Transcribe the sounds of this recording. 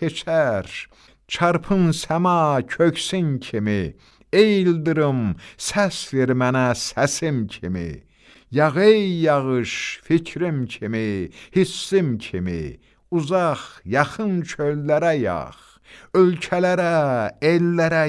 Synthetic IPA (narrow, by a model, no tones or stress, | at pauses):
et͡ʃʰæɾ | t͡ʃʰɑɾpʰɯnsæmɑcʰøksincʰimi | ejild̪ɯɾɯmsæsliɾmænæsæsimcʰimḭ | jɑʁejːɑʁɯʃficʰɾimcʰimihisːimcʰimḭ | uzɑχjɑχɯnt͡ʃʰølːæɾæjɑ̰χ | ølcʰælæɾæelːæɾæ